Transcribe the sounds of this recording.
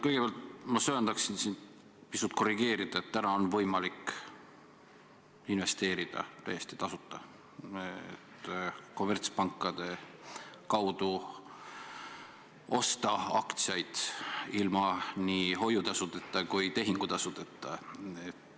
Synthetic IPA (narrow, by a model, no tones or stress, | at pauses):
kɤjɡ̥epeɑlt̪̚mɑsøːnd̪̥ɑksinsin | pisut̪ˑko̞riɡ̥e̞ːɾid̪̥ɑe̞t̪ːænɑo̞nvɤjmɑlik | inve̞st̪e̞ːɾid̪̥ɑ̰t̪æ̰jest̪i̥t̪ɑsut̪ːˑɑ | et̪ko̞mert̪spɑŋkˑːɑd̪̥e̞ | kɑwd̪̥u | o̞st̪ɑɑkt̪sjɑjd̪̥ilmɑniɦo̞jut̪ɑsut̪ˑet̪ːˑɑkujt̪e̞ɦiŋɡ̥ut̪ɑsut̪ˑet̪ˑːɑet̪ː